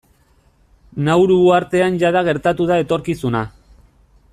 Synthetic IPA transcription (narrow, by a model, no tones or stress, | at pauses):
nawɾuuaɾt̪e̞anʝaðaɣ̞e̞ɾt̪at̪uð̞ae̞t̪o̞ɾkisuna